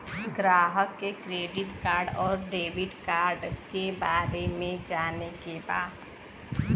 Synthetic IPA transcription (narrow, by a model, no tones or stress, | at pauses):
ɡɾaːɦəkːekɾeːɖɪʈkaːɾɖɔːɾɖeːbɪʈkaːɾɖkebaːɾemẽd͡ʒaːnekeba̰ːt̪